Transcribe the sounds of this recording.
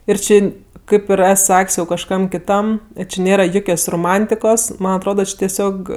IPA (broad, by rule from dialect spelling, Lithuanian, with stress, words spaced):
ɪr ˈt͡ʃʲɪ ˈkɐɪp jɛʊ ɪr ˈɛs ˈsɐkʲsʲ jɛʊ kɐʃˈkɐm kʲɪˈtɐm ˈt͡ʃʲɪ ˈnʲeːrɐ ˈjʊkʲoːs roːˈmɐnʲtʲɪkoːs ˈmɐn ɐtˈroːdɐ ˈt͡ʃʲɪ tʲɛˈsʲoːk